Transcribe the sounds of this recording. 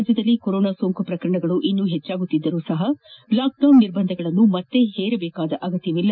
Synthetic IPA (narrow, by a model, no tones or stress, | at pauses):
d͡ʒjɐd̪ɐlːikoɾoːnaːsoːŋkupɾɐkɐɾɐɳɐɡɐɭuʔinːuːɦet͡ʃːaːɡut̪ːid̪ːɐɾuːsɐɦɐlaːk̚ɖɐwnːiɾbɐnd̪ʱɐɡɐɭɐnːumɐt̪ːe̞heːɾebɛːkaːd̪ɐʔɐɡɐt̪ːjɐʋilːɐ